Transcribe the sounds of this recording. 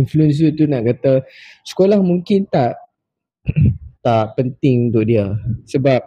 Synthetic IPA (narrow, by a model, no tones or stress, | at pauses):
influəns̬ut̪unaʔkat̪asə̥kolahmũŋkɪnt̪aʔ | t̪aʔpənt̪ɪŋunt̪ʊʔ̚diəsəbap̚